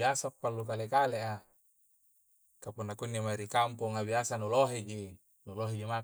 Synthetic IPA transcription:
iasaokpːalːukalekaleʔa | kapunːakunːimaiɾikampoŋabiasanuloɦed͡ʒi | nuloɦed͡ʒima

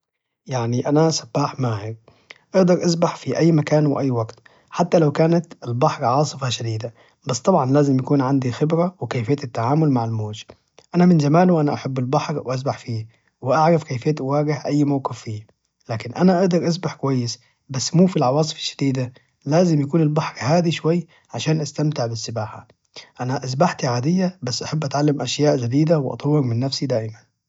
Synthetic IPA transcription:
jaʕniʔanasabːaːħmaːhɪɾ | ʔɑʔd̪ɑɾˤʔas̬baħfiʔæjːmakaːnwɪ̰ʔajːwaɡt̪ | ħat̪ːalawkaːnat̪ɪlbɑħɾʕɑːsˤɨfɑʃad̪iːd̪a | basːt̪ˤɑbʕɑnlaːzɪmjakuːnʕand̪ixɪbɾawɪkejfɪjːt̪ɪt̪ːaʕaːmʊlmaʕalmoːd͡ʒ | ʔanamɪnzamaːlwʔanaʔaħabːɪlbɑħɾwʔas̬baħfiː | wɪʔaʕɾˤɑfkajfeːt̪ʔʊwaːɡɪhʔajːmawqɪfːiː | laːkɪnʔanaʔaʔd̪ɑɾˤʔas̬baħkʊwajːɪs | basːmuːfilʕɑwɑːsˤɨ̥fḁʃːḁd̪iːd̪a | laːzɪmjakuːnɪlbɑħɾhaːd̪iʃwajː | ʕaʃaːnʔast̪amt̪ɪʕbɪsːɪbaːħa̰ | ʔanaʔas̬baħt̪iʕaːd̪ɪjːabasːʔaħabːʔat̪ʕalːamʔaʃjaːʔd͡ʒad̪iːd̪awɪʔɑ̰t̪ˤɑwːɪɾmɪnːafsid̪aːʔɪman

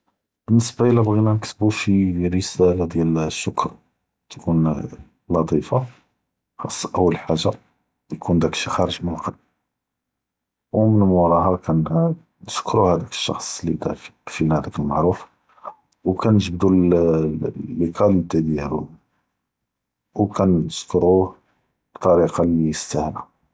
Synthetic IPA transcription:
b̥ənːəsbaʔəlːæbɣinænəksbufiɾəsælad̪jælʃːʊkɾ | t̪kun | lɑt̪ˤifɑ | xɑsˤːʔəwːəlħaʒːa | jkund̪ækʃxɑɾəʒmənqɑl | wmənmuɾˤɑhɑkæn | nəʃkɾuhæd̪ækə̥ʃːɑ̰xsˤlid̪æffilhæd̪ækəlmaʕɾuf | wkænəʒəbd̪ul | lːikʰɑlt̪æd̪iɾṵ | wkænəskɾu | bt̪ˤːɑɾiqɑlijəst̪æhlæ

